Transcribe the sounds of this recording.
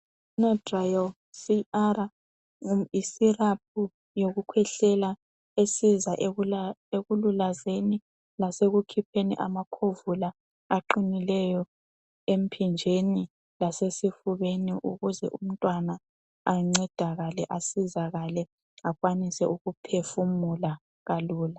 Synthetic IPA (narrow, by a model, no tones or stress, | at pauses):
nɔdrajɔ | siara | isirap̚ʰu | joɣukʰwɛɬɛla | esizaʔeɣululazeni | laseɣukʰipʰenḭʔa̰makʰovula | aǃinilɛjɔ | em̩pʰind͡ʒʱeni | lasesifuβeniʔṵɣuzɛ̰ʔum̩tʼwanaː | ŋ͡ǀɛd̥ʱaɣalɛʔasizaɣalɛ | aɣwanisɛʔuɣupʰefumula | ɣaluːla